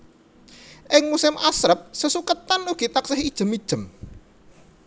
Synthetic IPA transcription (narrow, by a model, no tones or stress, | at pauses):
ʔɪŋmusɪmʔasɾəp̚səsukət̪anuɡ̥i̤t̪aksɪɦid̥ʒ̥ə̤mid̥ʒ̥ə̤m